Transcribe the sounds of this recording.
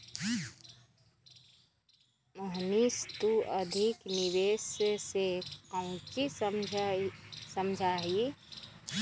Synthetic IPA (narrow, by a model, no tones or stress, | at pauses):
məɦnist̪uəd̪ʱɪknɪʋeːssekaʊ̃t͡ʃi | səmd͡ʒʱaːɦi